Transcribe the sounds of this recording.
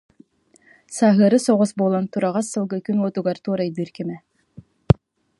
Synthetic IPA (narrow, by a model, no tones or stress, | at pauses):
saɦɯɾɯsɔʁɔsbolˠant̪uɾaʁɑsːɯlˠɡɯkynɔːt̪uɡaɾt̪uːɾajd̪ɯɾkimɛ